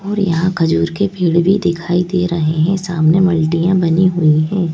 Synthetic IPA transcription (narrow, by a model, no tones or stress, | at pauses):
ɔːɾjɐɦãkɐd͡ʒuːɾkepʰiːɽbʱid̪ɪkʰaːid̪eɾɐɦeɦɛ̃saːmnemɐlʈijãbɐniɦʊiɦɛ̃ː